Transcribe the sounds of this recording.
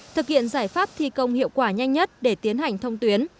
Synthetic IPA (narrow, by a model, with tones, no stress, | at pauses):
t̪ʰɨ˨˩k̚hḭ˧˨ənzaː˧˩jfaː˦˥p̚t̪ʰi˧kə˧wŋ͡mhḭ˧˨əwkwaː˧˩ɲa˧jŋɲə˦˥t̚ɗe˧˩t̪i˨˦ənɦa˨˩jŋ̟t̪ʰə˧wŋ͡mt̪wi˨˦ən